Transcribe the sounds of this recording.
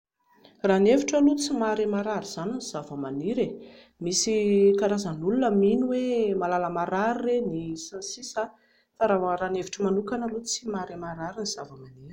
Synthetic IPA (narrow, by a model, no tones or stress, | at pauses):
raneviʈ͡ʂəlut͡simaɾemaɾaɾiz̥aniniz̥avəmaniɾe | misikaɾazanulunəminuwemalaləmaɾaɾirenisansisa | t̪aɾaaɾaneviʈ͡ʂəmanukanəlut͡simaɾemaɾaɾiniz̥avəmaniɾi̥